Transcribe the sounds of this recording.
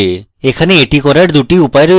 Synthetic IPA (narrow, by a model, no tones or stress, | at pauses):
ekʰaneeʈikɔɾaɾd̪uʈiupajɾo